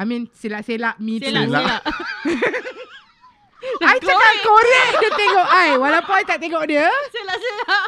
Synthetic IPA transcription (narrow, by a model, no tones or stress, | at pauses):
amĩnselaʔselaʔmĩt̪uela | ajakap̚koɾəmdət̪eŋɔʔajwalawpɔnajt̪aʔt̪eŋɔʔ̚diə